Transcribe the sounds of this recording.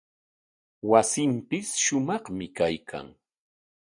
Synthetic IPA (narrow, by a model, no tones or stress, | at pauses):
wasɪmpɪsʃʊmɑχmɪkajkʰa̰ŋ